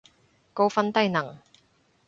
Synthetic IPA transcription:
ko˥˧wfɐ˥nt̪ɐ˥jnɐ˨˩ŋ

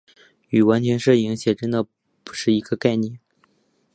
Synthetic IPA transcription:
y˨˩wa˧˥nt͡ɕʰɥɛ˧˥nʂɤ˥˩i˧˥ŋɕjɛ˨˩ʈ͡ʂə˥nd̪ə˨ | pu̥˧˥ʂɻ̩˥˩i˧˥ɡə˧ka˥˧ɪnjɛ˥˩n

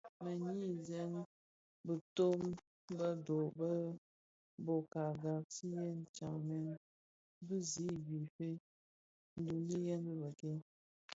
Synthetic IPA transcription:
mə˨ɲi˦˨zɛ˦n˦ | bə˨to˦m | bə˦do˨bə˦ | bo˨ka˨ɡa˨k̚si˦jɛ˦nt͡ʃa˨ŋmɛ˦n | bɨ˦zi˦bi˨fe˦ | n̩˦du˨li˦jɛ˦nbɨ˦bə˨ke˦

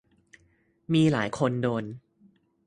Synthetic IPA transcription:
miː˧la̰ː˩˦jkʰo˧ndoː˧n

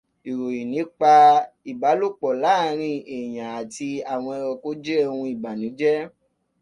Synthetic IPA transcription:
i˨ɾo˨ji˨nĩ˨˦k͡pa˧i˨ba˨˦lo˦˨k͡pɔ˨la˨˦˨ɾ̃ĩ˧e˨j̃ã˨a˨ti˧a˨w̃ɔ̃˧ɛ˧ɾɔ˧ko˦d͡ʒe˦o˦˧hũ˧i˨ba˨nĩ˨˦d͡ʒɛ˦

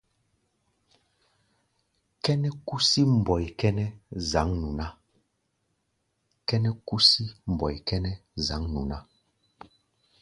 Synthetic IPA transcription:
kɛ˦nɛ˦ku˦si˦m̩˨bɔ˨jkɛ˦nɛ˦za˨˦ŋnu˨na˦ | kɛ˦nɛ˦ku˦si˦m̩˨bɔ˨jkɛ˦nɛ˦za˨˦ŋnṵ˨na˦

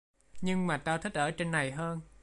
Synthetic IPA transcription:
ɲɨ˧ŋmaː˨˩t̪aː˧wt̪ʰi̟˦˥ʔəː˧˩t͡ɕe˧nːa˨˩jɦəː˧n

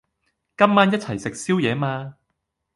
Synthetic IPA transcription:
kɐ˥mːaː˥njɐ˥t̚t͡sʰɐ˨˩jsɪ˨k̚siː˥wjɛː˨˥maː˧

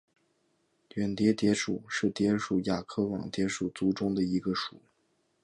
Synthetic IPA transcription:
ɥɛ˨˩nt̪jɛ˧˥t̪jɛ˧˥ʂu˨˩ʂɻ̩˥˩t̪jɛ˧˥ʂu˨˩ja˨˩kʰɤ˥wɑ̰˨˩ŋt̪jɛ˧˥ʂu˨˩t͡su˥ʈ͡ʂʊ˥ŋd̪ə˨i˧˥ɡə˧ʂṵ˨˩˦

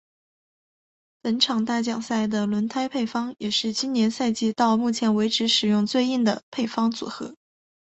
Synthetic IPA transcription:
pə˧˥nʈ͡ʂʰɑ˨˩ŋt̪a˥˩t͡ɕjɑ˨˩ŋsa˥˩ɪd̪ə˩lwə˧˥nt̪ʰa˥ɪpʰe˥˩ɪfɑ˥ŋjɛ˨˩ʂɻ̩˥˩t͡ɕi˥nnjɛ˧˥nsa˥˧ɪt͡ɕi˥˧t̪ɑ˥˧ʊmu˥˩t͡ɕʰjɛ˧˥nwe˧˥ɪʈ͡ʂʰɻ̩˧˥ʂɻ̩˨˩jʊ˥˧ŋt͡swe˥˧ɪi˥˩nd̪ə˩pʰe˥˩ɪfɑ˥ŋt͡sṵ˨˩xɤ˧˥

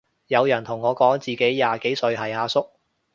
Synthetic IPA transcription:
jɐ˨˧wjɐ˨˩nt̪ʰʊ˨˩ŋːɔː˨˧kɔː˨˥ŋt͡siː˨ke˨˥jːaː˨ke˨˥jsɵ˧ɥɦɐ˨jhaː˨˧sʊ˥k̚

